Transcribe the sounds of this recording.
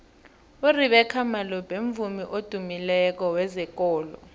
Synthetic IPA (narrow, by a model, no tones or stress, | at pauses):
uriɓɛkʰamalɔb̥ʱeɱvumiʔod̥ʱumilɛk̬ɔwɛzɛk̬ʼɔːlɔ̰